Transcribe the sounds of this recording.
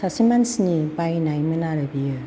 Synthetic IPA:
sasimansinipajnajmɯnaɾɯbijɯ

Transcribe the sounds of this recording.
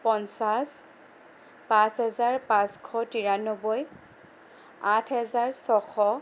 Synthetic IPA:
pɔnsas | pãsɦɛzaɹpãskʰɔtiɹanɔbɔj | atʰɦɛzaɹsɔxʰɔ

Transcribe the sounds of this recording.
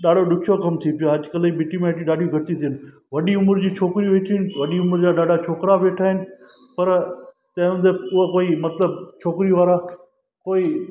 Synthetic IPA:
ɗaːɖoɗʊkʰijokɐmt̪ʰipɪjoɦɐʄkələibɪʈimẽəʈiɗaːɖiɡʱɐʈit̪ʰiənɪ̆ | ʋɐɗiʊməɾd͡ʑiːt͡ʃʰoːkɾiʋeːʈʰinɪʋɐɗiʊməɾd͡ʑaːɗaːɖʱat͡ʃʰoːkɾaʋeːʈʰaːɦɪnɪ̆ | pɐɾ | t̪ɐ̃ɪ̃ə̃d̪eʊɦakoːimɐt̪ləb̚t͡ʃʰoːkɾiʋaːɾa | koːi

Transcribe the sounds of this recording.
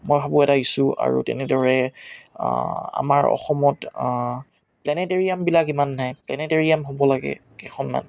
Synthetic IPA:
mɔjbʱabuɛtaisʊa̰ɹṵtɛ̰nɛdɔɹɛ | a̰maɹɔ̰xɔmɔt | plɛnɛteɹijambilakimanːajplɛnɛteɹiamɦobɔlaɡɛ̰kɛxʰɔnma̰n

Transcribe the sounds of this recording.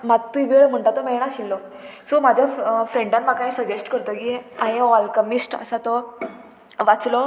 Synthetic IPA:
mat̪ːuʋiɭm̤əɳʈat̪ɔmeɭɳ̃aɕilːɔ | somad͡ʑʱjafɾẽɳɖanmakaisəd͡ʑesʈkəɾt̪əkiaɦeɔlkəmisʈə̰sat̪ɔ | ʋat͡slɔ

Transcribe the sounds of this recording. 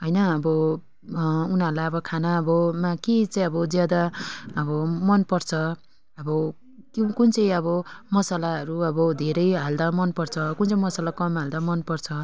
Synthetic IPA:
ɦʌjnʌʌbʌ | unʌɾlajʌbʌkʰanaʌbʌmakit͡saj̃ʌbʌd͡zjad̪aʌbʌmʌnpʌrt͡sʰʌ | ʌbʌ | kukunt͡sʌj̃ʌβʌmʌsalaɦʌɾuʌbʌd̪ʱeɾʌjɦald̪amʌnpʌrt͡sʰʌkunt͡sʌĩmʌsalakʌmɦald̪amʌnpʌrt͡sʰʌ

